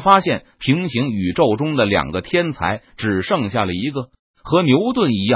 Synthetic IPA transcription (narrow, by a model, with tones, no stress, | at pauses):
fa˥ɕjɛ˥˩n | pʰi˧˥ŋɕi˧˥ŋy˨˩ʈ͡ʂo˥˩ʊʈ͡ʂʊ˥ŋd̪ə˨ljɑ̰˨˩ŋɡə˦t̪ʰjɛ˥nt͡sʰa̰˧˥ɪʈ͡ʂɻ̩˨˩ʂɤ˥˧ŋɕja˥˩lə˩i˧˥ɡə˧ | xɤ˧˥njo˧˥ʊt̪wə˥˩ni˧˥jɑ˥˩